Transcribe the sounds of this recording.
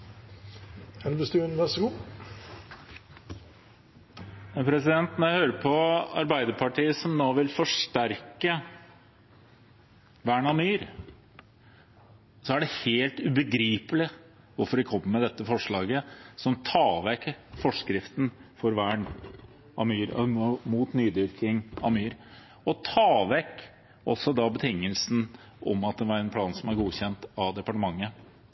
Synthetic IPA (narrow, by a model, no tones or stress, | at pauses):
ɛnbəsd̪ʉnɛsuː | ɑpʰɾɛsɪd̪ɛnt̪nɔɾjæhøːɾəpʰɔɑ̰ɾbæɪd̪əpʰɑʈiːəsɔmnoːʋɪlfɔʂʈæɾkə | ʋæːɳɑmyːɾ | sɔæɖɛheːlt̪ʉbəɡɾiːpəlɪ | ʋʊɾfɔɾʋɪkʰɔmːəmɛd̪ɛt̪ːəfɔʂɭɑːɡəsɔmt̪ʰɑːʋɛkfɔʂkɾɪft̪n̩fɔɾʋæːɳ | ɑmyːɾmuːt̪nyːd̪ɪɾkɪŋɑmyːɾ | ɔt̪ʰɑːʋɛk | ɔsːɔd̪ɑbət̪ʰɪŋːəlsn | ʔɔ̰mɑt̪̚d̪ɛʋɑɾɛnpʰlɑːnsɔmæɾɡuːçɛnt̪ɑd̪ɛpɑʈəmɑŋːə